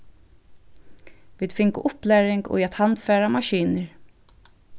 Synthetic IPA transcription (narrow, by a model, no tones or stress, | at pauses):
vɪːd̪fɪŋkʊ̰ʔʊplæːɾɪŋɡɔ̰at̪hand̪fæːɾamaɕiːnəɹ